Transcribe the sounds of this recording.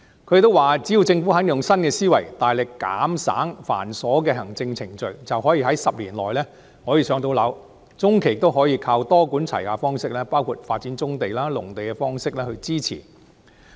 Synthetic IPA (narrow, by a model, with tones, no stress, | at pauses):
kʰɵ˨˥jɪ˨˧t̪o˥waː˨t͡siː˨˥jiː˨˧wt͡sɪ˧ŋfu˨˥ɦɐ˨˥njʊ˨ŋsɐ˥nkɛː˧siː˥wɐ˨˩jt̪aː˨jlɪ˨kːa̰ː˨˥msa̰ː˨˥ŋfa̰ː˨˩nsɔː˨˥k̬ɛː˧ɦɐ˨˩ŋt͡sɪ˧ŋt͡sʰɪ˨˩ŋt͡ʃɵ˨ɥt͡sɐ˨wɦɔː˨˥jiː˧hɐ˨˥jsɐ˨p̚liː˨˩nlɔ̰ː˨jlɛː˥ | hɔː˨˥jiː˨˧sœː˨˧ŋt̪o˧wlɐ˨˧w | t͡sʊ˥ŋkʰe˨˩jɪ˨t̪o˥wɦɔː˨˥jiː˧kʰaː˧wt̪ɔː˥kuː˨˥nt͡sʰɐ˨˩jkaː˧fɔː˥ŋsɪ˥k̚lɛː˥paː˥wkʰu˨t̚faː˧t̚t͡si˨˥nt͡sʊ˥ŋt̪e˨jlaː˥lʊ̰˨˩ŋt̪e˨jkɛ˧fɔː˥ŋsɪ˥k̚lɛː˥hɵ˧ɥt͡siː˥t͡sʰḭː˨˩